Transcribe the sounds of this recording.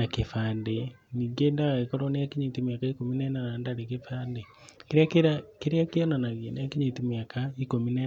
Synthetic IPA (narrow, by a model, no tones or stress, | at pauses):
akefaːndeniːŋɡendaɣaekɔɾonejakiɲitimjakaikominɛnanandanekefaːnde | keɾeakeɾakeɾeakeɔnanaɣjenejakeɲetimjakʰaikominɛ